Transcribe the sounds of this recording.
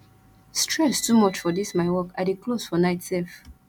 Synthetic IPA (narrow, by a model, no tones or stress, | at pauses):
stʰɹɛstumɔt͡ʃfɔdismaɪwɔkaɪdikʰlosfɔnaɪtsɛlf